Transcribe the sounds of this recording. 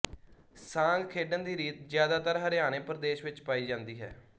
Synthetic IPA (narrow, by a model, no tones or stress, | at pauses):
sãːŋɡkʰeːɖənd̪iːɾiːt̪zjaːd̪aːt̪əɾɦəɾɪjaːneːpɾəd̪eːʃʋɪt͡ʃpaːiːd͡ʒãːnd̪iːɦɛ̰ː